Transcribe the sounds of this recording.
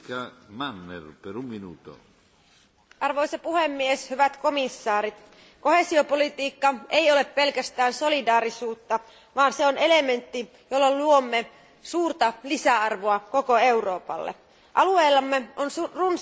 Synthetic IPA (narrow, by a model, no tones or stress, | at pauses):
kamanːerpeɾumːinut̪o̰ | ʔɑrʋo̞jsɑpuhemːieshyʋæt̪ko̞misːɑːɾit̪ | ko̞hesio̞po̞lit̪iːkːɑe̞jo̞le̞ppe̞lkæst̪æːnso̞lidɑːɾisuːt̪ːɑ | ʋɑːnseonele̞me̞nt̪ːi | jolːɑluomːe | suːrt̪ɑlisæɑrʋoɑko̞ko̞e̞wro̞ːpɑ̰lːḛ | ʔɑlueːlːɑmːeʔonrun